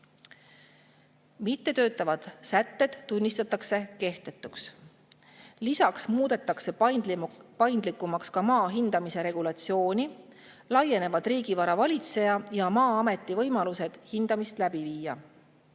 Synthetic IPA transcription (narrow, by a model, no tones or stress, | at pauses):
mit̪ːe̞t̪øːt̪ːˑɑvɑd̪̥sæt̪ːe̞d̪̥ːunʲːist̪ɑt̪ːˑɑkse̞ke̞ht̪e̞t̪ːˑuks | lisɑksmuːd̪e̞t̪ːˑɑkse̞ | pɑjnd̪likːˑumɑkskɑmɑːɦind̪̥ɑmise̞ɾe̞ɡ̥ulɑt̪sio̞ːnʲi | lɑje̞ne̞vɑd̪̥riːɡ̥ivɑɾɑvɑlʲit̪se̞jɑjɑmɑːɑme̞t̪ːˑivɤ̞jmɑluse̞d̪̥hind̪̥ɑmist̪læb̥iviːjɑ